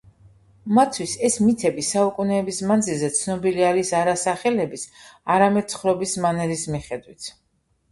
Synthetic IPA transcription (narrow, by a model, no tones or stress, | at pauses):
mat̪sʰwisɛsmit̪ʰɛbisaukʼunɛːbismand̪zilzɛt̪sʰnɔbiliaɾisaɾasaχɛlɛbisaɾamɛd̪̥̚t̪sʰχɾɔbismanɛɾismiχɛd̪wit̪ʰ